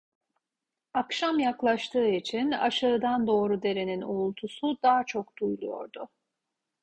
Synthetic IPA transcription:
akʃamjaklˠaʃt̪ʰɯːit͡ʃʰina̰ʃɯːd̪and̪o̞ːɾud̪e̞ɾeninoulˠt̪ʰusud̪aːt͡ʃʰo̞kd̪̥ujlˠujo̞̰ɾd̪ʊ

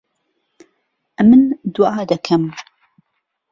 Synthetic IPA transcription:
ʔɐmɨnd̪uɑːd̪ɐkʰɐm

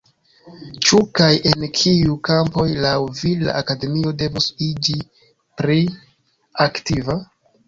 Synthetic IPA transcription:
t͡ʃukajʔe̞nkʰiukampo̞jlawvila̰ʔakade̞mio̞de̞vusid͡ʒi | pɾi | aktiva

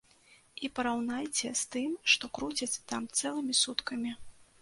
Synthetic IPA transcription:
ipɐɾawnajt͡sʲɛst̪ɨmʂt̪ɔkɾut͡sʲɐt͡sʲt̪amt̪sɛlˠɨmʲisut̪kɐmʲi

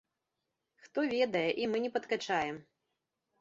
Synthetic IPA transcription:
xt̪ɔvʲɛd̪ɐjɛʔimɨnʲɛpɐt̪kat͡ʂajɛm

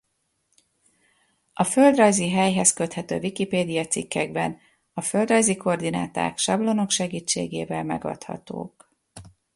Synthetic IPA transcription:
ɒfø̞ld̪rɒjziɦɛjɦɛskøt̪hɛt̪ø̰ːvikipeːd̪ijɒt̪sikːɛɡbɛn | ɒfø̞ld̪rɒjziko̞rd̪ina̰ːt̪a̰ːkʃɒblo̞no̞kʃɛɡiːt͡ʃːḛːɡeːvɛlmɛ̰ɡɒ̰t̪hɒ̰t̪o̰ːk

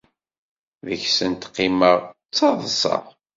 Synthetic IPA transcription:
ðəçsənt̪qːiməʁ | t͡sːɑðˤsɑ̰ʁ

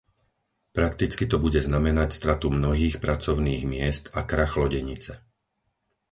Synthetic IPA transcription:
pɾakt̪it͡skit̪ɔbuɟɛznamɛnacst̪ɾat̪umnɔɦiːxpɾat͡sɔʊniːɣmɪɛst̪akɾaxlɔɟɛɲit͡sɛ

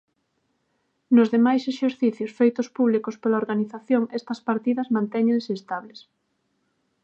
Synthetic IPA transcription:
nʊzðemajseʃeɾθiθjʊsfejt̪ʊspuβ̞likʊspelaoɾɣaniθaθjoŋɛst̪ɐspaɾt̪iðɐzmãnt̪ɛɲẽŋseːst̪aβles

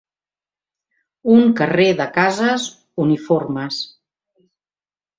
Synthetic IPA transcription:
uŋkəreðəkazəz | uniforməs

